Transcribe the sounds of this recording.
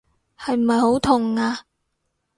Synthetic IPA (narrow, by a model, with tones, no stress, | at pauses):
hɐ˨jm̩˨˩hɐ˨jho˨˥wt̪ʰʊ˨˩ŋaː˧